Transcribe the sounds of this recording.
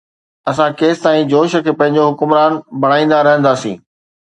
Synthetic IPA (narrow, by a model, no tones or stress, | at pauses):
ɐsãkeːst̪aːĩd͡ʑoːʃəkʰpɐ̃ɦɪ̃ɲ̆d͡ʑoɦʊkʊmɾaːnbʱɐɽ̃aːĩːn̆d̪aɾɐɦə̃nd̪aːsḭ̃ː